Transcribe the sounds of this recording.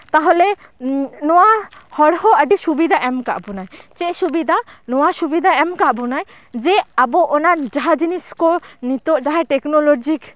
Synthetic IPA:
t̪aɦole | nɔwahɔɽɦoaɖiʃubid̪ʱaʔɛmka̰ʔbɔnajt͡ʃeʔʃubid̪ʱanɔwaʃubid̪ʱaɛmkaʔbɔnaj | d͡ʒeaboʔonaɾd͡ʒaɦad͡ʒiniskonit̪oʔd͡ʒaɦaʈeknolod͡ʒik

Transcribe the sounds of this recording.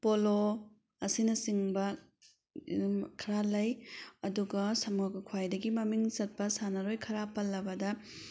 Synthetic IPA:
polo | ɐsinɐsiŋbɐ | kʰɐɾalɐjɐduɡɐsɐmakukʰwajdɐɡimɐmiŋt͡ʃɐt̚pɐsanɐɾojkʰɐɾapɐlːɐbɐdɐ

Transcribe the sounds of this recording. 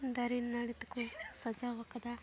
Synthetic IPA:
d̪ɐɾinnɐɽit̪u̥kusɐd͡ʒaʋɐkɐd̪ɐ

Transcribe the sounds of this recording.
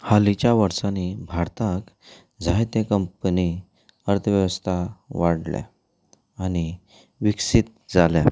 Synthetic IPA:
halit͡ɕjaʋəɾsãnibʱaɾt̪ʰak | d͡zʱajt̪ẽkəmpəni | əɾt̪ʰəʋjəʋəst̪ʰaʋaɽlja̰ | ani | ʋiksit̪̚d͡zalja̰

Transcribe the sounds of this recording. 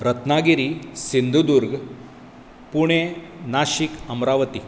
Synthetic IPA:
ɾɐt̪naːɡiɾisind̪ʱud̪uɾɡ | puɳ̃enaːʃikɐmɾaːʋət̪i

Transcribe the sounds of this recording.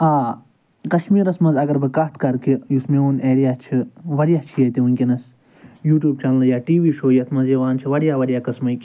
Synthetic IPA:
aː | kɐʃmiːɾɐsmɐzɐɡɐɾbɨkɐt̪ʰkɐɾkijusmeuneːɾijaːt͡ʃʰiʋɐɽijaːt͡ʃʰijɐt̪iunʲkʲinɐs | juːʈʲjuːb̚t͡ʃʰɐnlɨjaːʈiːʋiːʃoːjɐt̪ʰmɐzjɐʋaːnt͡ʃʰiʋɐɽijaːʋɐɽjaːkɐsmɐjkʲ

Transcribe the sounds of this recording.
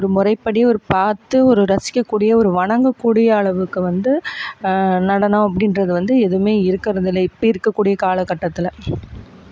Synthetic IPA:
ɔɾɯmʊrɐɪpːɐɽɪjɔɾɯpaːɾt̪ːɯɔɾɯɾɐsɪ̥kːɐkːuːɽɪjɐɔɾɯʋɐɳɐŋɡɐkːuːɽɪjɐːɭɐʋɯkːɯʋɐnd̪ɯ | nɐɽɐnɐ̃ːɐpːɐɽɪnrɐðɯʋɐnd̪ɯɛðɯmeːɪɾɯkːɪɾɐðɪlːɐɪpːɐjɪɾɯkːɐkːuːɽɪjɐkaːlɐkːɐʈːɐt̪ːɪlɐ

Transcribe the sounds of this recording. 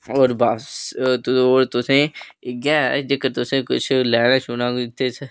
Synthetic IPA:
oːɾbaːst̪oːɾt̪ʊsẽːɡɛːd͡ʒekəɾt̪ʊsẽːkʊ̰t͡ʃʰlɛːnaːʃʊːnãːt̪ʰːeːs

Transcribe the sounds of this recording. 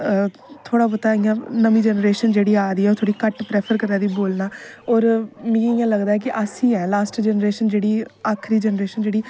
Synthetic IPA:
t̪ʰoːɽaːpət̪aːɪjãːnəmĩːd͡ʒɛːnɾeːʃənd͡ʒeːɽiːaːɾiːɛoɾt̪ʰoːɽiːkəʈpɾɛːpʰəɾkəɾãːd̪iːboːlnaːɔːɾmĩɪjãːləɡd̪aːɛːk̬ɪʔəsĩːɛ̃ːlaːsʈd͡ʒɛːnɾeːʃənd͡ʒeːɽiːaːkʰɾiːd͡ʒɛnɾeːʃənd͡ʒeːɽiː

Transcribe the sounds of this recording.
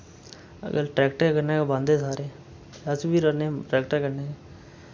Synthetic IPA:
ə̰ɡə̰lʈɾɛːkʈeːkəneːebãːnd̪eːsaːɾeː | əsbiːɾəneʈɾɛːkʈeːkəɾneːe

